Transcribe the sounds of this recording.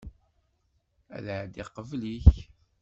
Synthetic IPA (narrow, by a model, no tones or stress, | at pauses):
æ̰ðəʕd̪iqəvliç